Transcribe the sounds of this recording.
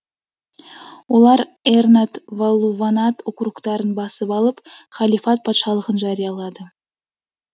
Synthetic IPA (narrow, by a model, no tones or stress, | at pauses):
wo̞lˠɑɾernat̪volˠːuvanat̪ʊqɾuqt̪ɑɾənbɑsəpɑlˠəpχɑlʲifɑt̪̚pʰɑt̪ʃɑlˠəʁənʒɑɾijɑlˠɑd̪ə